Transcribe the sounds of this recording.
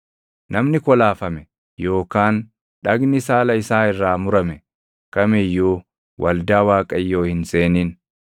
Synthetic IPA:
nʔɐmnɪkɔlaːfɐmɛ | jo̞ːkaːn | ᶑɐɡnɪsaːlɐɪsaːɪrːaːmʊɾɐmɛ | kɐmɛjːoː | wʔɐ̰ld̪aːwaːkʼɐjːo̞ːhɪnseːniːn

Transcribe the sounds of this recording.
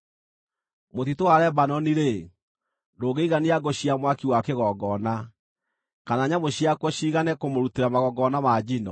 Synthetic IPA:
motitoaɾɛbanɔniɾe | doːɡeiɣaniaɡoɕiamwakiwakeɣɔɡɔna | kanaːɲamoɕiakwɔɕiːɣanɛkomoɾuteɾamaɣɔɡɔnamad͡ʑinɔ

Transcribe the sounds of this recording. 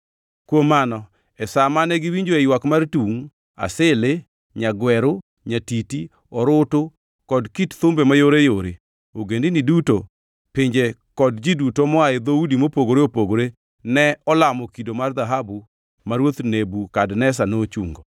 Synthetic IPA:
kwomanɔ | ɛsamanɛɡɪwiɲd͡ʒoejwakmartuŋ | a̰sɪle | ɲaɡwɛɾo | ɲatiti | ɔɾʊtʊ | kɔdkitt̪ʊmbemajoɾejoɾe | oɡendɪniduto | pɪɲd͡ʒekɔdd͡ʒidutomɔaed̪oudimopoɡoɾeopoɡoɾe | nɛɔlamɔkidomard̪aɦabu | maɾwot̪nebukadnɛs̬anot͡ʃuŋɡɔ

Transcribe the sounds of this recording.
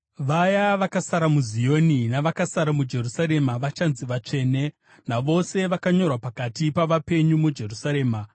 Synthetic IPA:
ʋajaʋakasaɾamuzijo̞ninaʋakasaɾamud͡ʒe̞rusaɾe̞maʋat͡ʃanziʋat͡ʂe̞ːne̞ | naʋo̞se̞ʋakaɲo̞rwapakatipaʋape̞ɲumud͡ʒe̞rusaɾe̞ːma

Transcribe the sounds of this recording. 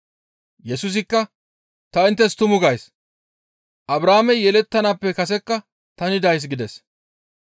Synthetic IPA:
jɛsʊs̬ɪkːɐ | t̪ɐɪnt̪ːɛst̪ʊmʊɡɐjs | ʔɐbɾaːmɛjɛlɛt̪ːɐnaːpːɛkɐs̬ɛkːɐ | t̪ɐnɪd̪ɐjs̬ɡɪd̪ɛs

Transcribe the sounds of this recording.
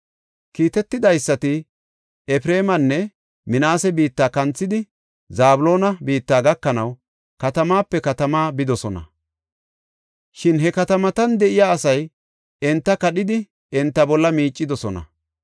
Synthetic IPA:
kiːt̪ɛt̪ːɪd̪ɐjsːɐt̪ɪ | ɛfɾeːmɐnːɛ | mɪnaːsɛbiːt̪ːaːkɐnt͡sːɪd̪ɪ | zaːbʊlo̞ːnɐbiːt̪ːaːɡɐkːɐnɐw | kɐt̪ɐmaːpːɛkɐt̪ɐmaːbɪd̪ɔsɔnɐ̰ | ʃɪnɦɛkɐt̪ɐmɐt̪ɐnd̪ɛʔɪjaːsɐj | ɛnt̪ːɐkɐɗɪd̪ɪ | ɛnt̪ːɐbɔlːɐmiːt͡ʃʼːɪd̪ɔsɔnɐ̰

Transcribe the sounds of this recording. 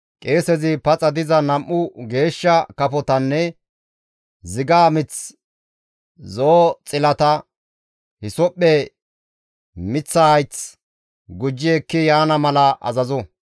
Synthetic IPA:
kʼeːsɛzɪpɐt͡sʼɐd̪ɪzɐnɐmʔːʊɡe̞ːʃːɐkɐpɔt̪ɐnːɛ | zɪɡaːmɪt͡s | zoːt͡sʼɪlɐt̪ɐ | hɪsɔpːɛ | mɪt͡sːɐhɐjt͡s | ɡʊd͡ʒːɪɛkːɪjaːnɐmɐlɐʔɐ̰zɐzɔ

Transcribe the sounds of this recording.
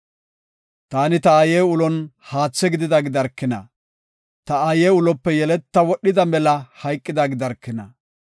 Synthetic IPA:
t̪aːnɪt̪ɐajeːʊlɔnhaːt͡sːɛɡɪd̪ɪd̪ɐɡɪd̪ɐɾkːɪnɐ̰ | t̪ɐajeːʊlɔpːɛjɛlɛt̪ːɐwɔɗːɪd̪ɐmɛlɐhɐjkʼːɪd̪ɐɡɪd̪ɐɾkːɪnɐ̰

